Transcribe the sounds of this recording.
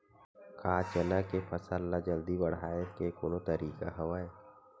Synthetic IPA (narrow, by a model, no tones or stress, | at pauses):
kaːt͡ʃənakepʰəsəlːad͡ʒəld̪ibəɽ̤aːekekoːnõt̪əɾiːka̰ɦɐʋaːe